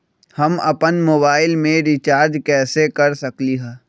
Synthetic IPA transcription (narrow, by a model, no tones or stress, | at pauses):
hɐmɐpənmoːbaːɪlmẽɾit͡ʃaːɾd͡ʒkɛːsekɐɾsɐkliɦɛ̃ː